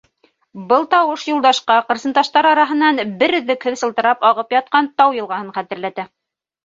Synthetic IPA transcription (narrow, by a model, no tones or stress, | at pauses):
bɤlˠt̪ɑwɤʃjŭlˠd̪ɑʃqɑqɤ̆ɾsɤ̆nt̪ɑʃt̪ɑɾɑɾɑɦɤ̆nɑnbɘɾɵ̆ðːɘkhɘðsɤ̆lˠt̪ɤ̆ɾɑpɑʁɤpjɑt̪̚qɑnt̪ɑwjɤ̆lˠʁɑhɤɴχæt̪ɘ̆ɾlæt̪æ